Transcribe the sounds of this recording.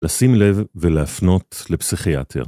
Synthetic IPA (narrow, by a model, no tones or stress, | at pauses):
lasimlevːeleafno̞t̪lepsiχia̰t̪ʰḛʁ